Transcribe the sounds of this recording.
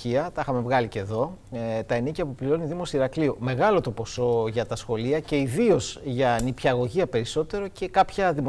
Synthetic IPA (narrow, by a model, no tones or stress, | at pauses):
iɐt̪ɐixɐme̞vɣɐlice̞ðo̞t̪ɐenicɐpupliɾo̞niðimo̞siɾɐkliome̞ɣɐlo̞t̪o̞po̞so̞ʝɐt̪ɐsxo̞liɐce̞iðio̞zʝɐnipçɐɣo̞ʝiɐpe̞ɾiso̞t̪e̞ɾo̞ce̞kɐpçɐðimo